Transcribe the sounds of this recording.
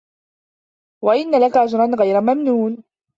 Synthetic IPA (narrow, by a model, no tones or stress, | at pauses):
waʔɪnːalakaʔad͡ʒɾˤɑnɣajɾamamnuːn